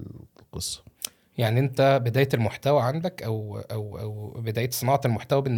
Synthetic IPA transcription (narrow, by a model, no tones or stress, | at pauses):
lqesˤːɑ̥ | jaʕniʔent̪æbed̪æːjet̪elmoħt̪æwæʕand̪ækʔæwʔæwʔæwbed̪æːjet̪sˤenɑːʕɑt̪elmoħt̪æwæbenː